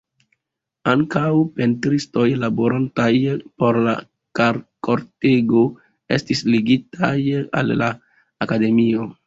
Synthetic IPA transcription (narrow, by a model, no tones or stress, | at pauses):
aŋkawpe̞ntɾisto̞jlabo̞ɾantajpo̞ɾla̰ | kaɾko̞ɾte̞ɡo̞ | e̞̰stisliɡitʰaja̰lːaː | kade̞mio̞